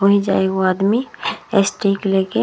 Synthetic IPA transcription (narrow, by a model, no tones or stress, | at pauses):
oɦĩd͡ʒa̰ːeɡoaːd̪miesʈikleːke